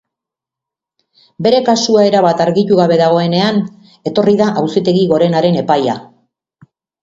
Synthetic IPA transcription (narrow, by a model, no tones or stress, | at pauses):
be̞ɾe̞kasuae̞ɾaβat̪aɾɣit̪uɣaβe̞ðaɣ̞o̞e̞ne̞an | e̞t̪o̞riðaʔawsit̪e̞ɣiɣo̞ɾe̞naɾe̞ne̞paja̰